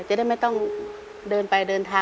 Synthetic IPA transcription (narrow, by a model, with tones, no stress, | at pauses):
t͡ɕa˧˦da˥˩jma˥˩jt̪ɔ˥˩ŋ | dɤː˧npa˧jdɤː˧nt̪ʰaː˧